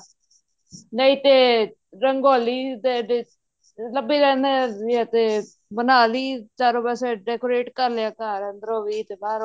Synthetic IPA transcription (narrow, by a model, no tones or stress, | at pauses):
nəiːt̪eː | ɾəŋɡoːliːt̪eːɖe | ləbiːɾɛ̃ːnd̪eiat̪eː | bənaːliːt͡ʃaːɾoːbɛːseːɖɛːkoːɾeːʈkəɾleaːkaːɾənd̪əɾoːʋiːt̪eːbaːɾ